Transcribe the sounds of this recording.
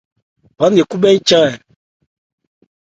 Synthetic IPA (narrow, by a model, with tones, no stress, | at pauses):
pã˨˦n˦je˨ku˦bɛ˦n̩˦t͡ʃã˦ɛ˨